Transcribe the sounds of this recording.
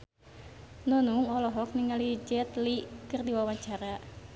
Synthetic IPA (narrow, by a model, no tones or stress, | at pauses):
nɔnuŋɔlɔɦɔk̚niŋalid͡ʒɛt̪likɨrdiwawaɲt͡ʃaɾa